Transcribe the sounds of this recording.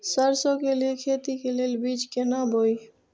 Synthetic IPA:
səɾsokelelkʰet̪ikelelbit͡ʃkenabʱoi

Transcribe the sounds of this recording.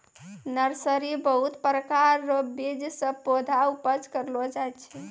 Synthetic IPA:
nəɾsəɾibəɦut̪pɾəkaɾbid͡ʒsə̃pod̪ʱaupəd͡ʒkəɾlod͡ʒajt̪t͡ʃʰɛ

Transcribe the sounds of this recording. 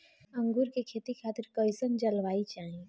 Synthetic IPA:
ɐ̃ŋɡuːɾkekʰeːt̪ikʰaːt̪ɪɾkəɪsənd͡ʒɐlʋaːit͡ʃaːɦie

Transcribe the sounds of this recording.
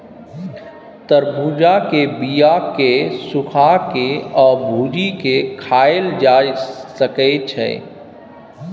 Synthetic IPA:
t̪əɾbuːd͡ʒakebijakesʊkʰakeɔːɾbʱuːd͡ʒikekʰaːeld͡ʒaːsəket͡ʃʰɛ̰ː

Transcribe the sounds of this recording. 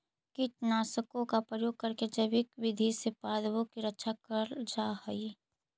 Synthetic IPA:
kit͡ʃnaːsəkõkapɾəjoːɡ̚kɐɾked͡ʒəbɪkʋɪd̪ʱisepaːd̪bõkiɾɐtːʃʰakəɾd͡ʒahəi

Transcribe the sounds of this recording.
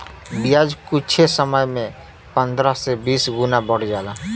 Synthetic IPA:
bijad͡ʒkut͡ʃʰesəməjmẽ | pənd̪ɾəsebisɡunabəɽ̤d͡ʒalã

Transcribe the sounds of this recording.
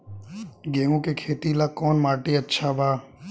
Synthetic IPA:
ɡeːũkekʰeːt̪ilakɔːnmaːʈeətːʃʰabʱaː

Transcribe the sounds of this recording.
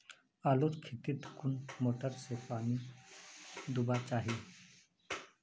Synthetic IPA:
aːloːt͡ʃkʰet̪ɪt̪kʊnmoːʈəɾsepaːni | d̪ubat͡ʃaːɦi

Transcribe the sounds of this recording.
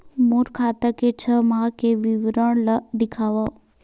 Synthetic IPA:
muɾkʰat̪əket͡ʃʰəmãkeʋiʋɾəɽləd̪ɪkʰaʋə

